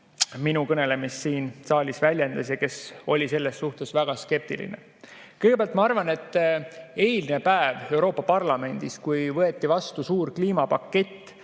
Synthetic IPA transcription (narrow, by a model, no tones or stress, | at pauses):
minukɤne̞le̞misːiːnsɑːlʲisvælʲjend̪̥ɑsjɑke̞so̞lʲise̞lːesːuht̪e̞svæɡ̥ɑske̞p̚t̪ḭlḭnḛ | kɤjɡepeæɑlt̪̚mɑɑrvɑne̞t̪ːˑe̞jlnepæeve̞wɾo̞ːpːˑɑpɑrlɑme̞nʲd̪̥iskujvɤet̪ːivɑst̪usuːɾkliːmɑpɑkːe̞t̪ː